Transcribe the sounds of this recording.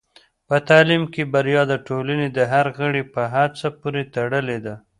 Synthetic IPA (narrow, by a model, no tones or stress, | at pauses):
pət̪alimkebaɾjɑd̪aʈolaned̪əɦaɾɣəɽepəɦat͡sapuɾet̪aɽəled̪a